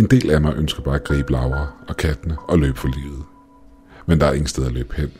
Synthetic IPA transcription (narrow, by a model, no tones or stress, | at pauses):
e̝nd̥e̝̰ːlæmɑ̈ɪʔønsɡ̥ɐb̥ɑ̈ːæɡ̥ʁḭːb̥lɑ̈ʊɐːɒ̽kʰæd̥nəɒ̽lø̰ːb̥fɒlḭːð̩ˠ | mend̥ɑ̈æɐe̝ŋ̩sd̥eð̞ˠælø̰ːb̥hen̰